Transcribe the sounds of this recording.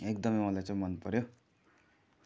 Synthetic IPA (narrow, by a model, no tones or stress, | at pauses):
ekd̪ʌmʌjmʌlajt͡sãĩmʌnpʌɾjo